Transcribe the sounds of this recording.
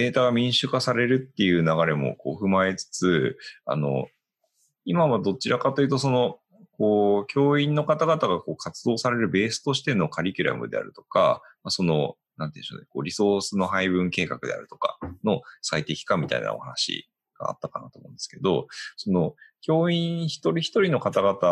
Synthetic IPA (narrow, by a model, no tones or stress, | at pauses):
d̪e̞ːt̪aɡamʲĩɰ̃ɕɨkasaɾe̞ɾɯ̟t̪ːe̞jɯ̟ːnaɡaɾe̞mo̞̰ko̞̰ːɸɯ̟mae̞t͡sɨ̥t͡sɨa̰no̞̰ | imaβad̪o̞t͡ɕiɾakat̪o̞jɯ̟t̪o̞s̬o̞no̞ | ko̞ːkʲo̞ːĩnːo̞kat̪aɡat̪aɡako̞ːkʰat͡sɨd̪o̞ːsaɾe̞ɾɯ̟be̞ːsɨ̥t̪o̞ɕi̥t̪e̞no̞kaɾʲikʲɯɾa̰mɯ̟d̪e̞a̰ɾɯ̟t̪o̞̥ka̰maso̞no̞̰ | nãnt̪ẽɕo̰neko̞ːɾʲiso̞ːsɨno̞ɦaibɯ̟̃ŋke̞ːkakɯ̟d̪ea̰ɾɯ̟t̪o̞̥ka̰no̞sait̪e̞kʲi̥kamʲit̪a̰ina̰o̰hanaɕḭ | ɡ̥a̰ːt̪ːakanat̪o̞mõ̞̰ːnd̪esɨ̥ke̞d̪o̞so̞no̞kʲo̞ːĩɰ̃çi̥t̪o̞ɾʲiçi̥t̪o̞ɾʲino̞kat̪aɡat̪a